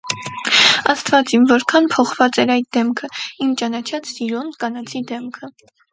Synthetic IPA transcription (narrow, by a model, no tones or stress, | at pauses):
ɑst̪vɑt͡sinvɔɾkʰɑnpʰɔχvɑt͡sɛɾɑjd̪̚d̪ɛmkʰəimt͡ʃɑnɑt͡ʃʰɑt͡ssiɾɔnkɑnɑt͡sʰid̪ɛmkʰə